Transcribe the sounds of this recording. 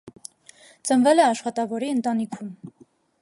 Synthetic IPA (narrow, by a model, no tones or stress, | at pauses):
t͡sənvɛlɛɑʃχɑt̪ɑvɔɾiənt̪ɑnikʰum